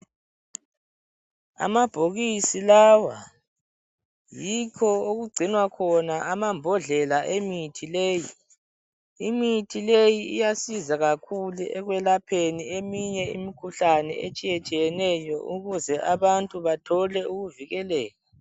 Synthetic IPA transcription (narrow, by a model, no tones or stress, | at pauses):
a̰mab̥ʱoɣisilawa | jikʰɔoɣuɡ͡ǀʱinwakʰɔnaamambʱɔɮɛlaʔemitʰileːji | imitʰilejiijasizaɣakʰuluʔɛɣwɛlapʰeniemiɲɛḭmikʰuɬanɛ̰et͡ʃʼijɛt͡ʃʼijɛnɛjɔʔuɣuzɛʔaβantʼuβatʰɔlɛuɣuviɣɛlɛːla